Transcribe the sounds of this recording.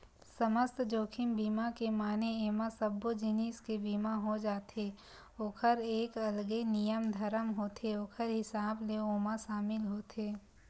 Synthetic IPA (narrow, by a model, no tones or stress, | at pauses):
səməst̪d͡ʒoːkʰɪmbiːmakemaːneeːmãsəbːod͡ʒɪniːskebiːmaɦod͡ʒaːt̪e | oːkʰəɾeːkɐlɡenijəmd̪ʱəɾəmɦoːt̪ʰeoːkʰəɾɦɪsaːbleoːmãʃaːmɪlɦoːt̪eː